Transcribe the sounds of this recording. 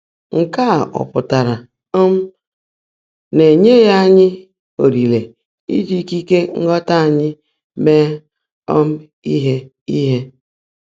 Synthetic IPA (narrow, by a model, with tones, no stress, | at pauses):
ŋ̩˨ka˦˨ɔ̰˨pʊ˨ta˨ɾa˨˦ | m̩˦ | ne˨ɲe˦ja˦ɲɪ˦ | o˨ɾi˨le˨ | ḭ˦d͡ʒi˦ki˦ke˦ŋ̩˦ɡɔ˦ta˦a˨ɲɪ˦ | me˦ | ɔ˦m̩˦ | i˦ɦe˦ | i˦ɦe˦